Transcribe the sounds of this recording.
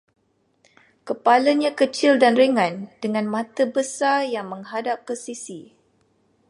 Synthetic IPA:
kəpalaɲãkət͡ʃildanrəŋãndəŋãnmãt̪əbəsarjaŋmə̃ŋɦadap̚kəsisi

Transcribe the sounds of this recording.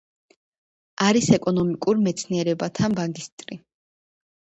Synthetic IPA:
aɾisɛkʼɔnɔmikʼuɾmɛt̪sʰniɛɾɛbat̪ʰanbaŋɡist̪ʼɾi

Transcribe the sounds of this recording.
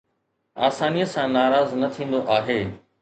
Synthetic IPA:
aːsaːnijəsãnaːɾaːznɐt̪ʰĩːn̆d̪oʔaːɦeː

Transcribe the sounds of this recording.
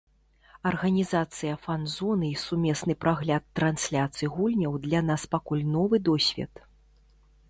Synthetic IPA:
ɐrɣɐnʲizat̪sɨjɐfanzɔnɨisumʲɛsnɨpɾaɣlʲat̪ːɾansʲlʲat̪sɨjɣulʲnʲɐwd̪lʲanaspakulʲnɔvɨd̪ɔsʲvʲɛ̰t̪

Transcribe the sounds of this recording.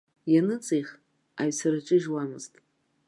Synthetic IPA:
janɨt͡sʼijχ | aɥsaɾɨt͡ʃʼɨʒwamɨztʼ

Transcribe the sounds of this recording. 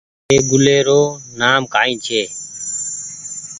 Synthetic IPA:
eːɡʊleːɾoːnaːmkaːĩːt͡ʃʰeː

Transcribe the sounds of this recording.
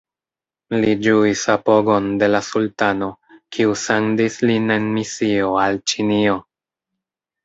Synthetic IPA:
lid͡ʒuisapo̞ɡo̞nde̞lasultano̞kʰiusendisline̞nmisio̞alt͡ʃinio̞

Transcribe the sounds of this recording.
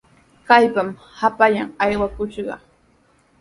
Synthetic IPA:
kajpam | hapaʎaŋajwakʊʃɢɑ̰

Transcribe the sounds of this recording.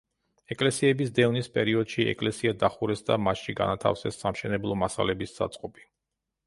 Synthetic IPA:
ɛkʼlɛsiɛbisd̪ɛvnispʼɛɾiɔd̪̥ʃiɛ̰kʼlɛsiad̪aχuɾɛsd̪a̰maʃiɡa̰nat̪ʰa̰fsɛsːamʃɛnɛblˠɔmasa̰lɛbissa̰t̪sʼqʼɔpʼi

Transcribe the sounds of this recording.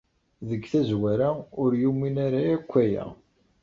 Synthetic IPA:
ðəɡθæzwæɾaʊɾjumːinaɾaækʷːæjæ̰

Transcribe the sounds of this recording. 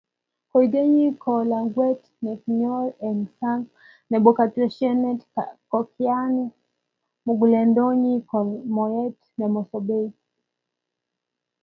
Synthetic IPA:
kɔiɡɛɲikʰɔlaŋɡwɛt | nɛkɲɔlɛnsaŋ | nɛbɔkatɾɛʃɛnɛtkɔkʰianɛ | muɡulɛndɔɲikɔmɔɛt | nɛmɔsɔbɛi

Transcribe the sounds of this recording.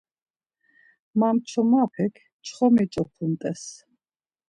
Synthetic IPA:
mamt͡ʃʰɔmapʰɛkʰ | t͡ʃʰχɔmɛt͡ʃʼɔpʰumt̪ʼɛs

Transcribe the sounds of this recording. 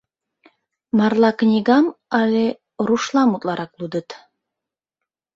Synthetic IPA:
mɑrlˠɑknʲiɣɑmɑlʲe | ɾuʃlˠɑmut̪lˠɑɾʔɑklˠud̪ə̆t̪

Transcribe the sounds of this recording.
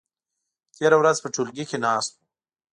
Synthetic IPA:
t̪eɾawɾazpəʈulɡikenɑːst̪̚u̥

